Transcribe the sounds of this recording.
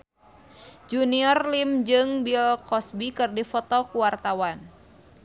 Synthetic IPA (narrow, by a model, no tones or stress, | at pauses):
d͡ʒuniɔrlimd͡ʒɨŋbilkɔsbikɨrdifɔt̪ɔkuwart̪awan